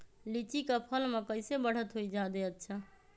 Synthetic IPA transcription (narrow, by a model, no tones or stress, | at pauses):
lit͡ʃikəpʰəlmekəjsebəɽ̤ət̪ɦojd͡ʒad̪eətːt͡ʃʰə